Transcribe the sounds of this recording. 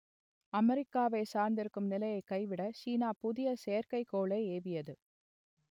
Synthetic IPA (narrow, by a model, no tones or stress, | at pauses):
ɐmɛɾɪkːaːʋeɪsaːɾnd̪ɪɾɯkːɯmnɪlɐjɐɪkːɐɪʋɪɽɐt͡ʃiːnaːpʊðɪjɐseːɾkɐɪkːoːɭɐɪeːʋɪjɐðɯ